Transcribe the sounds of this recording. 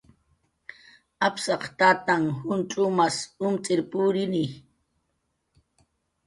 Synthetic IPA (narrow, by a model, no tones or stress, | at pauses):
apsɑχt̪aːt̪aŋhʊnt͡ʃʼʊmasʊmt͡sʼɪɾpʊɾɪnɪ